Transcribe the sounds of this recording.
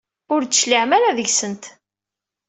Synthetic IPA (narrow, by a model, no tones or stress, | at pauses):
ʊɾt̪ːsʃliʕmæɾæðəʝsənt̪